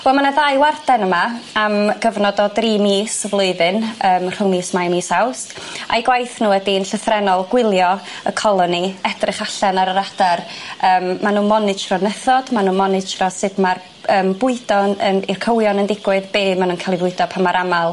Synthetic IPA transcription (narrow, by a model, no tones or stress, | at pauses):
wɛlˠmanaðaɨwardanəmaamɡ̥əvnɔdɔdriːmiːsəvlˠʊɨðɨnəːmr̥ʊŋmiːsmajmiːsawst | ʔa̰jɡwajθnuːɛdinɬəθrɛnɔlˠɡ̥wɪlˠjɔ | ə̰kʰɔlˠɔniɛdrɨχaɬɛnaɾəɾadarəːmːanuːmɔnɪt͡ʃʰrɔnəθɔd̥manuːmɔnɪt͡ʃrɔsɨdmar | əːmbʊɨd̥ɔənirkʰəwjɔnəndɪɡwɪðbeːmanuːnkʰalˠivʊɨdɔpʰamːaɾʔamalˠ